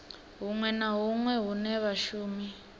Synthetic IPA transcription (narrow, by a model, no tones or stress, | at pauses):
ɦuŋwɛnaɦuŋwɛɦunɛβaʃuːmi